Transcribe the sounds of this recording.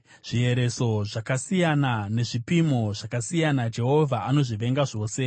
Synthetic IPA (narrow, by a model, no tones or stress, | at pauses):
ʐ̥ie̞ɾe̞so̞ʐakasijanane̞ʐipimo̞ʐakasijanad͡ʒe̞ɦo̞vʱaʔano̞ʐiʋe̞ŋɡaʐo̞ːse̞